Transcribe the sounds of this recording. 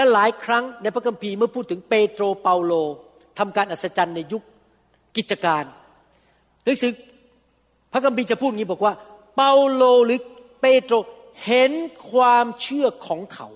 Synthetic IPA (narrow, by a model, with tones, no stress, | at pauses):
lɛ˦˥laː˨˩˦jkʰɾa˦˥ŋna˧jpʰa˦˥kʰːa˧mpʰiː˧mɯ˥˩ɐpʰuː˥˩t̪ʰːɯ˩˦ŋpeː˧t̪ɾoː˧pa˧wloː˧ | t̪ʰa˧mkaː˧nʔaː˨˩t̪sa˧t͡ɕa˧nːa˧ju˦˥k̚ː | i˨˩t͡ɕa˧kaː˧nː | a˧˦˥ŋsɯː˨˩ | pʰa˦˥kʰa˧mpʰiː˧˩t͡ɕa˨˩pʰuː˥˩t̪̚ŋiː˦˥˩bɔː˨˩kwaː˥˩ | pa˧wloː˧ɾɯː˨˦peː˧t̪ɾoː˧ | he˨˦nkʰwaː˧mt͡ɕʰɯ˥˩ɐkʰɔː˩˦ŋkʰa˦˥w